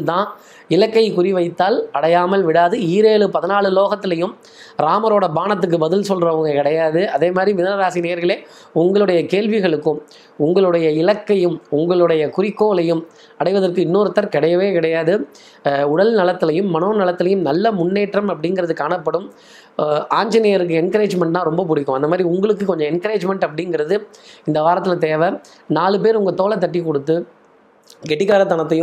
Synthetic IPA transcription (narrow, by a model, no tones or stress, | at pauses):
t̪ãː | ɪlɐkːɐɪkʊrɪʋɐɪt̪ːaːlɐɽɐjaːmɐlʋɪɽaːðɯiːɾeːlɯpɐðɪnaːɭɯloːɣɐt̪ːɪlɐjɯm | ɾaːmɐɾoːɽɐbaːnɐt̪̬ːɯk̬ːɯbɐðɪlsɔlrɐɐŋɡɐkɪɽɐjaːðɯɐðeːmaːd̪ɾiʋɪnɐɾɐɾaːsineːjɐɾɣɐɭeː | ʊŋɡɐɭɯɽɐjɐkeːlʋɪɣɐɭɯkːɯm | ʊŋɡɐɭɯɽɐjɐɪlɐkːɐjɯmʊŋɡɐɭɯɽɐjɐkʊɾɪkːoːlɐjɯm | ɐɽɐɪʋɐðɐrkɯɪnːoːɾɯt̪ːɐɾkɪɽɐjɐʋeːkɪɽɐjaːðɯ | ʊɽɐlnɐlɐt̪ːɪlɐjɯmːɐnoːnɐlɐt̪ːɪlɐjɯmnɐlːɐmʊɳːeːʈrɐmɐpːɐɽɪŋɡɪɾɐðɯkaːnɐpːɐɽɯm | aːɲd͡ʒɐnejɐɾɯk̬ːɯɛnkɐɾeːd͡ʒmɛɳʈt̪ãːɾɔmbɐpʊɽɪkːɯ̃ɐnd̪ɐmaːd̪ɾiʊŋɡɐɭɯkːɯkɔɲd͡ʒɔ̃ɛnkɐɾeːd͡ʒmɛɳʈɐpːɐɽɪŋɡɪɾɐðɯɪnd̪ɐʋaːɾɐt̪̬ːɪlɐt̪eːʋɐ | naːɭɯp̬eːɾʊŋɡɐt̪oːɭɐt̪ːɐʈ̬ːikɔɽɯt̪ːɯ | ɡɛʈːɪkːaːɾɐt̪ɐnɐt̪̬ːɐjɯ̃m